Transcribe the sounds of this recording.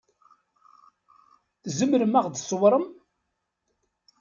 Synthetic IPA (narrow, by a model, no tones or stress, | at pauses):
zəmɾəmaʁd̪əsˤwɾˤəm